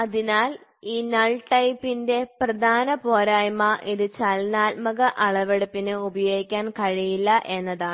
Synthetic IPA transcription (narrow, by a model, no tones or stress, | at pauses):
ɐðinaːl | iːnɐɭʈːɐjpːinde̞prɐd̪ʱaːnɐpo̞ːɾaːjmɐʔiðɨt͡ɕɐlnaːlmɐɣɐʔɐɭɐʋeɽɐpːinɨubɐjo̞ːɡikʲːaːnkɐɻijilːɐʔe̞nːɐðaːɳ